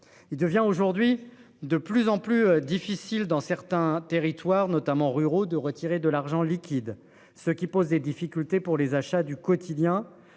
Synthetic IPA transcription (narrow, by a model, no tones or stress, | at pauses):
ild̪əvjɛ̃oʒuʁd̪ɥi | d̪əplyzɑ̃plyd̪ifisild̪ɑ̃sɛʁt̪ɛ̃t̪eʁit̪waʁnɔt̪amɑ̃ʁyʁod̪əʁət̪ʰiʁed̪əlaʁʒɑ̃likʲid̪ | səkʲipozd̪ed̪ifikʲylt̪epuʁlezaʃad̪ykɔt̪ʰid̪jɛ̃